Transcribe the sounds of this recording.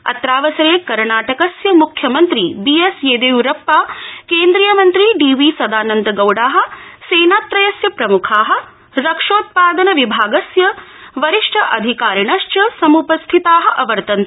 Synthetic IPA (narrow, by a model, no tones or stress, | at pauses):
ɐ̰t̪ɾaːʋɐsɐɾeːkɐɾɳaːʈɐkɐsjɐmukʰjɐmɐnt̪ɾibiːeseːd̪eːuɾɐpːaːkeːnd̪ɾijɐmɐnt̪ɾiɖiːʋiːsɐd̪aːnɐnd̪ɐɡɐwɽaːɦɐ̆seːnaːt̪ɾɐjɐsjɐpɾɐmukʰaːɦɐ̆ | ɾɐkʂoːt̪̚paːd̪ɐnɐʋibʱaːɡɐsjɐʋɐɾiʂʈʰɐʔɐd̪ʱikaːɾiɳɐʃt͡ʃɐsɐmupɐst̪ʰit̪aːɦɐ̆ʔɐʋɐɾt̪ɐnt̪ɐ